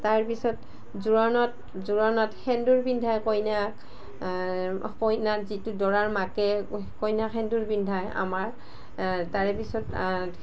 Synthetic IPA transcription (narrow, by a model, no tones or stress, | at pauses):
taɹpisɔt | zuɹɔnɔt̚ | zuɹɔnɔtxɛnduɹbindʱajkɔjnak | kɔjnazitudɔɹaɹmakɛ | kɔjnakɛnduɹbindʱaja̰maɹ | taɹɛpisɔt